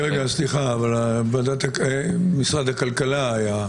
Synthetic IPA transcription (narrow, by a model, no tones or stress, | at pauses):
eɡasliχaːvalabad̪at̪akmisʁad̪hakalkalaːja